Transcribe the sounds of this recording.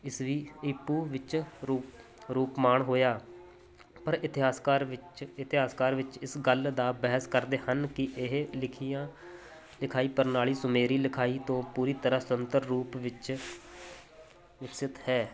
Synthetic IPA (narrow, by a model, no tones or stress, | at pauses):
ɪsʋiːɪpːuːʋɪt͡ʃɾuː | ɾuːpmaːɳɦoːjaː | pəɾɪt̪ɪɦaːskaːɾɪɪt̪ɪɦaːskaːɾʋɪt͡ʃɪsɡəld̪aːbɛɦəskəɾd̪eːhənkɪʔɪɦlɪkʰijãː | lɪkʰaːiːpəɾnaːɭiːsʊmeːɾiːlɪkʰaːiːt̪õːpuːɾiːt̪əɾəsənt̪əɾːuːpʋɪt͡ʃ | ʋɪksɪt̪hɛː